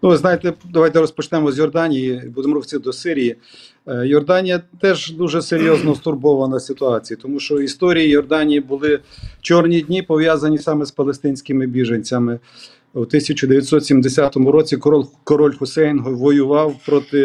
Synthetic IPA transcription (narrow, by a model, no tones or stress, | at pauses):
nuʋɪznɑjet̪ɛd̪ɐʋɑjt̪ɛɾɔspɔt͡ʃnɛmɔzʲjɔrd̪ɑnʲijibud̪mɾɔwʲt͡sʲid̪ɔsɪɾʲiji | jɔrd̪ɑnʲijɐt̪ɛʒd̪uʒɛseɾʲjɔznɔst̪ʊrbɔʋɐnɐsʲɪt̪ʊɑt͡sʲijɐt̪ɔmuʃt͡ʃɔist̪ɔɾʲijijɔrd̪ɑnʲijibʊlˠɪt͡ʃɔrnʲid̪ʲnʲipɔʋjazɐnʲisɑmɛspɐlˠest̪ɪnʲsʲkɪmɪbʲiʒenʲt͡sʲɐmɪ | ut̪ɪsʲɐt͡ʃʊd̪eʋʲjɐt̪ʲsɔt̪sʲimd̪esʲat̪ɔmʊɾɔt͡sʲikɔɾɔlʲxʊsɛjnɦɔʋɔjʊʋɑwpɾɔt̪ɪ